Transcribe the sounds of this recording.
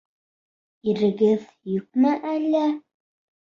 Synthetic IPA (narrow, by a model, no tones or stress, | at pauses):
iɾɘ̆ɡɘð | jɵ̆k̚mæʔælːæ